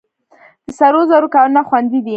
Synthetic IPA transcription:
d̪̥əsaɾozaɾokɑlunaxwand̪id̪i

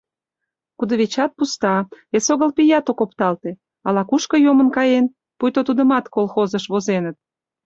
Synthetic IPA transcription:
kud̪ə̆βet͡ɕɑt̪̚pust̪ɑesoɣəlpijɑt̪okopt̪ɑlt̪e | ɑlɑkuʃkə̆jomənkɑjen | pujt̪ot̪ud̪əmɑt̪kolˠxozəʃβozenət̪̚

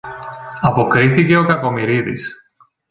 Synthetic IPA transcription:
ɐpo̞kɾiθice̞o̞kɐko̞miɾiðḭs

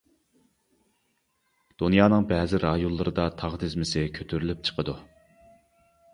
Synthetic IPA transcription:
d̪̥unjɑːnɨŋbɛːzɪɾɑjunlːˠɨɾɨd̪ɑt̪ʰɑʁd̪ɪzmɪsɪkʲʰøt̪ʰyɾylyp̚t͡ʃʰə̥qʰəd̪u

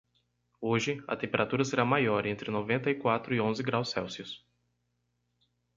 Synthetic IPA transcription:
oʒɪɐ̰t̪ẽpeɾat̪uɾɐseɾamajɔɾẽnt̪ɾɪnovẽnt̪ɐikwat̪ɾʊiõzɪɡɾawsːɛwsiʊs

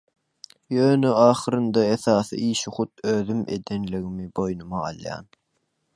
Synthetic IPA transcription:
jøːnøɑːχɯɾɯnd̪ɑeθɑːθɯ̰ʔiːʃiχut̪ʰøːðyme̞̰d̪e̞nliɣimibo̞jnumɑɑ̰lˠjɑ̰ːn

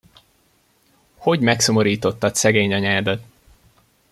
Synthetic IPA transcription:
ho̞ɟmɛkso̞mo̞ɾiːt̪o̞t̪ːɒt̪sɛɡeːɲɒɲaːd̪ɒt̪

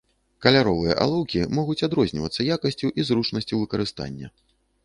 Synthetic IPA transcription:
kɐlʲaɾɔvɨjɐ̰ʔa̰lˠɔwkʲimɔɣut͡sʲad̪ɾɔzʲnʲivɐt̪sːɐjakɐsʲt͡sʲuʔizɾut͡ʂnɐsʲt͡sʲuvɨkɐɾɨst̪a̰nʲːɐ̰

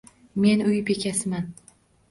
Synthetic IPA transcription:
me̞nʊjɪpe̞kʲʰasɪman

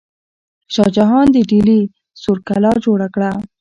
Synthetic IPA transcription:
ʃɑd͡ʒaɦɑnd̪əɖili | soɾkalɑd͡ʒoɽakɽa

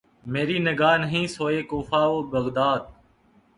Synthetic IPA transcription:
meːɾiːnɪɡaːnəɦĩːsoːeːkoːfaːoːbəɣd̪aːd̪̚

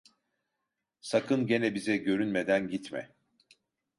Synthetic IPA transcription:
sakʰɯnɟe̞nɛbizɛɟø̞ɾynmed̪ænɟit̪mɛ̰

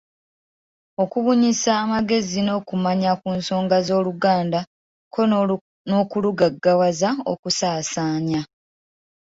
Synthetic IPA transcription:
o̞kuβuɲisaːmaɡe̞zino̞ːkumaɲakuːnso̞ːŋɡazo̞ːluɡaːnda | kʰo̞ | noːkuluɡaɡːawazao̰kusaːsaːɲa

